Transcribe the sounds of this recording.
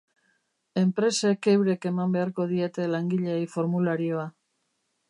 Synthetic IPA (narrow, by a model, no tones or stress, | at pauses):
e̞mpɾe̞se̞kewɾe̞ke̞mambe̞aɾko̞ðie̞t̪e̞laŋɡiʎejfo̞ɾmulaɾioa